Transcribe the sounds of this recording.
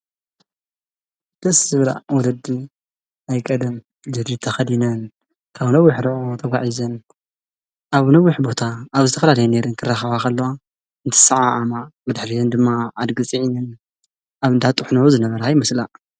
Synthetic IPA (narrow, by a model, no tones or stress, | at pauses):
d̪̥ɐszɨβla̰wɔlɐd̪i | ajkʼɐd̪ɨm | d͡ʒɨd̪it̪ʰɐxɐd̪inɐn | kʰaβnɐwːʊħɾuʕot̪ʰɐɡʷaʕizɐn | ʔaβnɐwːʊħbo̞t̪ʰaːβzɨt̪ʰɐfɐlalɐjneɾɨŋkʰɨrːaxɐβakʰɐlːɐwa | ɨnt̪ʰɨ̥saʕaʔamabɨd̪ħlijɨnd̪ɨmːaʕad̪ɡɨt͡sʼiʕinɨn | aβɨnd̪ʰat̪ʼɨħnɐuzɨnɐβɐɾaajmɐsla